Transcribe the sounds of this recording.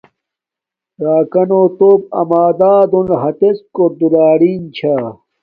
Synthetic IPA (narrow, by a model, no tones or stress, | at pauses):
ɾaːkɐnoːt̪oːb̚ɐ̰maːd̪aːd̪onɦɐt̪eskod̪ulaːɽiːnt͡ɕʰaː